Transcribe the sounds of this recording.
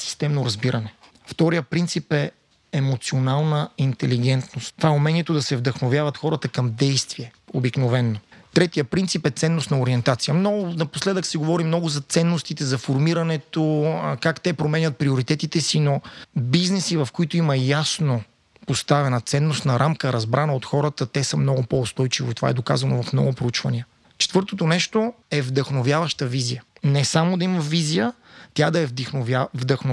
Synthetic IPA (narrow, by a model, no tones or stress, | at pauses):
si̥st̪ɛmnoɾɐzbiɾɐnɛ | ft̪ɔɾijəpɾint̪sipɛ | ɛmot̪sionalˠnəint̪ɛliɡ̟ɛnt̪nost̪ːvaɛumɛniɛt̪od̪ɐsɛvd̪əxnovʲjavɐt̪xɔɾət̪əkɐmd̪ɛjst̪viɛobiknovɛnːot̪ɾɛt̪ijəpɾint̪sipɛt̪sɛnːost̪nɐoɾiɛnt̪at̪sijəmnɔɡʊnɐposlɛd̪əksiɡovɔɾimnɔɡʊzɐt̪sɛnːost̪it̪ɛzɐfoɾmiɾɐnɛt̪okakt̪ɛpɾomɛnʲət̪̚pɾioɾit̪ɛt̪it̪ɛsinobiznɛsivɐfkoit̪oimɐjasno | post̪avɛnət̪sɛnːost̪nɐɾʔamkəɾɐzbɾanɐot̪xɔɾət̪ət̪ɛsəmnɔɡʊpɔʊst̪ɔjt͡ʃivoit̪ova̰ɛd̪oka̰zɐnovɐfmnɔ̰ɡʊpɾout͡ʃvɐniə | t͡ʃɛ̥t̪vɤɾt̪ot̪onɛʃt̪oɛvd̪ɐxnovjavɐʃt̪əvizijənɛsamod̪ɐimɐvizijə | t̪ʲad̪ɐɛvd̪ixnvavd̪ɐxno